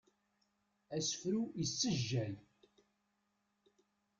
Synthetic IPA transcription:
æsə̥fɾujəsːəʒːæl

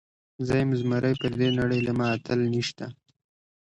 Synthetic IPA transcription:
zajɪmzmaɾəjpəɾd̪enaɽəjlamɑːt̪ʰəlniʃt̪a

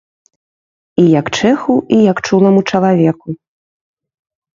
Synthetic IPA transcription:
ijɐkt͡ʂɛxuʔijɐkt͡ʂulˠɐmut͡ʂɐlˠavʲɛku

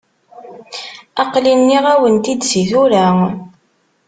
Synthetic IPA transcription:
ɑqlinːiʁæwənt̪id̪siθuɾæ

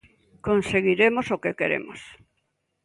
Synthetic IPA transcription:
konseɣiɾemosokekeɾḛmo̰s

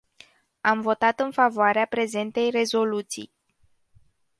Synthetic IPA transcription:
amvo̞t̪at̪ɨnfavoaɾeapɾe̞ze̞nt̪e̞jre̞zo̞lut̪sḭj

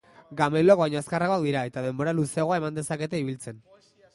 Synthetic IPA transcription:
ɡamelokβajɲoaskaraɣakd̪iɾae̞t̪að̞e̞mbo̞ɾaluse̞aɣo̞ae̞mand̪e̞sake̞t̪e̞iβ̞ilt͡se̞n

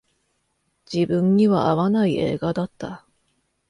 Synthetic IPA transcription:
d͡ʑibɯ̃ɲ̟ːiβaaβanaie̞̰ːɡad̪at̪ːa

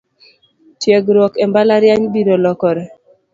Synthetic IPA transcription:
t͡ʃjeɡɾɔkembalaɾjaɲbiɾolɔkɔɾɛ

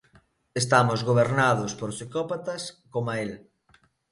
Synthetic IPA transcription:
est̪amozɣoβ̞eɾnaðospoɾsikɔpat̪ɐskomael

